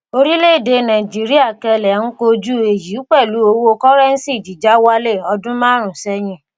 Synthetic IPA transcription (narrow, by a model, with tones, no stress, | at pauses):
o˧ɾi˦le˦˨de˧nã˨d͡ʒi˨˦ɾi˦a˦˨kɛ˧lɛ˨n̩˦ko˧d͡ʒu˦e˨ji˨˦k͡pɛ˦˨lu˨˦o˧wo˧˦kɔ˦ɾɛ˦n̩˦si˦˨d͡ʒi˨d͡ʒa˦wa˦le˦˨ɔ˧dũ˦mãː˦ɾ̃ũ˨sɛ˦jĩ˧˨